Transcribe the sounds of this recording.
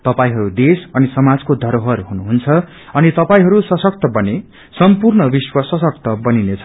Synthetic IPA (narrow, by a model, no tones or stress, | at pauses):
t̪ʌpaĩɦʌɾud̪esʌnisʌmad͡zkod̪ʱʌɾoɦʌɾɦunuɦunt͡sʰʌ | ʌnit̪ʌpaĩɦʌɾusʌsʌk̚t̪ʌbʌne | sʌmpurnʌbiswʌsʌsʌk̚t̪ʌbʌninet͡sʰʌ̥